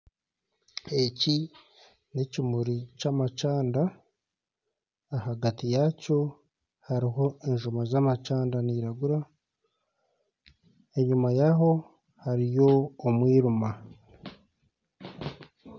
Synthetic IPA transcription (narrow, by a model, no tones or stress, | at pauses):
eci | necimuɾicamat͡ʃaːnda | haɡatijaco̞ | haɾiɦo̞eɲʒumazamat͡ʃaːndaniːɾaɡuɾa | e̞ɲumajaɦo̞ | haɾijo̞ːmwiːɾuma